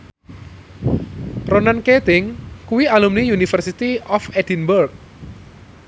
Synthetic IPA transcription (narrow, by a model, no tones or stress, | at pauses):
ɾonanket̪ɪŋkuwialumnijunifərsit̪iɔfed̪inburk̚